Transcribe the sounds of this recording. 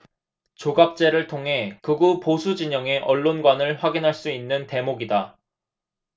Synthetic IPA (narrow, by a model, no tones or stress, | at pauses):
t͡ɕoɡap̚t͡ɕ͈e̞ɾɯɭtʰoŋɦe̞kɯɡuposʰud͡ʑiɲʌŋe̞ʔʌɭːonɡwanɯɭɸwaɡinɦaɭs͈uinːɯnte̞moɡida